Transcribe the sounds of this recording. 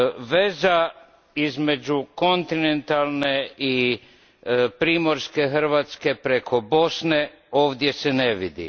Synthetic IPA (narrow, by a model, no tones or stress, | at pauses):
ʋe̞za | izme̞d͡ʒukont̪inent̪alˠnei | pɾiːmo̞ɾske̞xɾ̩ʋat̪ske̞pɾe̞kʰo̞bo̞sne̞ | o̞ːʋd̪je̞seneʋḭd̪ḭ